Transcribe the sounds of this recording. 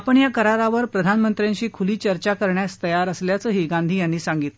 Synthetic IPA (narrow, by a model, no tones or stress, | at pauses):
apəɳjakəɾaɾaʋəɾpɾəd̪ʱanmənt̪ɾjãɲt͡ɕiːkʰuliːt͡ɕəɾt͡ɕakəɾɳjast̪əjaɾəsljat͡səːɦiːɡãnd̪ʱiːjanːiːsãŋɡit̪l